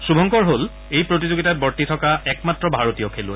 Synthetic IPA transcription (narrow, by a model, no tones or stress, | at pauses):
subʱɔŋkɔɹɦol | ejpɹotizoɡitat̚bɔɹtitʰɔkaɛkmatːɹɔbʱaɹotijɔkʰelʊ